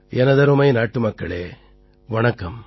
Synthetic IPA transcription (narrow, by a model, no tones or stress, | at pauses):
ʔɛnɐðɐɾɯmɐɪnaːʈːɯmɐkːɐɭḛː | ʋɐɳɐkːɐm